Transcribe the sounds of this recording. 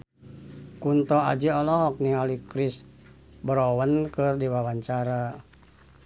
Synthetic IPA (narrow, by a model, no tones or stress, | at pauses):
kunt̪ɔa̰d͡ʒiɔlɔɦɔk̚nialikɾɪs | bəɾowənkɨrdiwawaɲt͡ʃaɾa